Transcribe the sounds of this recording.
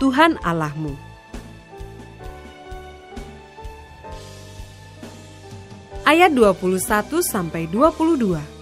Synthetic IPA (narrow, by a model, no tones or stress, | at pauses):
t̪uɦana̰lahmu | ʔajat̪̚duapulusat̪usampajduapuludua